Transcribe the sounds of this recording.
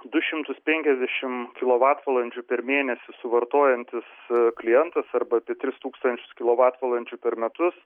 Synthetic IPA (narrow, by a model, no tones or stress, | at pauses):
d̪ʊʃʲɪmt̪ʊspʲɛŋʲkʲɛzʲd̪ʲɛʃʲɪmkʲɪlˠoːʋɑːt̪ʋɐlˠɐnʲd͡ʒʲʊpʲɛɾmʲeːnʲɛsʲɪsʊʋɐɾt̪oːjɛnʲt̪ʲɪsklʲɪjɛnt̪ɐsɐɾbɐːpʲiɛt̪ʲɾʲɪst̪uːkst̪ɐnʲt͡ʃʲʊ̥skʲɪlˠoːʋɑːt̪ʋɐlˠɐnʲt͡ʃʲʊpʲɛɾmʲɛt̪ʊs